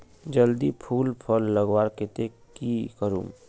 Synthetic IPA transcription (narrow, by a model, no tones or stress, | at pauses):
d͡ʒəld̪ipʰuːlpʰəlːəɡwaːɾkɪt̪e | kikəɾṵːm